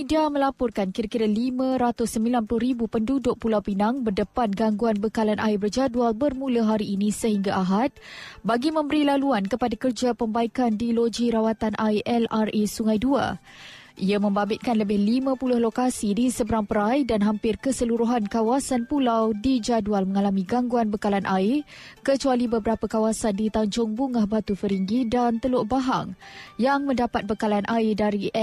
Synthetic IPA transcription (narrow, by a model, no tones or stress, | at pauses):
midiaməlapɔrkankiɾakiɾalimãɾat̪ʊsːəmbilanpulʊɾibupəndudʊʔ̚pulawpinãŋbərdəpanɡaŋɡuanbəkalanʔa̰ɪbərd͡ʒadualbərmũlaɦaɾiːnĩsəɦiŋɡaʔaɦat̪̚baɡimə̃mbəɾilaluankəpadakərd͡ʒapəmbaikandilod͡ʒiɾawat̪anʔajʔɛlaresuŋajdua̰ | ʔiamə̃mbabɪt̪̚kanləbɪhlimãpulʊhlokasidisəbəɾaŋpəɾajdanɦampɪrkəsəluɾuɦankawasanpulawdid͡ʒadualmə̃ŋalamĩɡaŋɡuanbəkalanʔaɪrkət͡ʃualibəbəɾapakawasandit̪aɲd͡ʒʊŋbuŋahbat̪ufəɾiŋɡidant̪əlʊʔbaɦa̰ŋjaŋmə̃ndapat̪̚bəkalanʔaɪdaɾiʔ